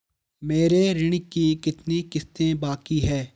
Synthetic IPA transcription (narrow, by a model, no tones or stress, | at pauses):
meːɾeɾɪɽ̃ɪkikɪt̪nikɪst̪ẽbaːkiɦɛː